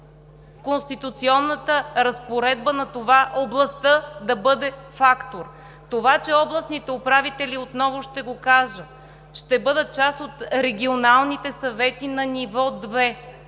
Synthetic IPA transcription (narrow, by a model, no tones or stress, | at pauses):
konst̪it̪ut̪siɔnːət̪əɾɐspoɾɛd̪bənɐt̪ovaʔoblˠɐst̪əd̪ɐbɤd̪ɛfakt̪oɾ | t̪ovat͡ʃɛɔblˠɐsnit̪ɛopɾavit̪ɛliot̪nɔvʊʃt̪ɛɡokaʒə | ʃt̪ɛbɤd̪ət̪̚t͡ʃasot̪ɾɛɡʲionalˠnit̪ɛsɐvɛt̪inɐnivɔd̪vɛ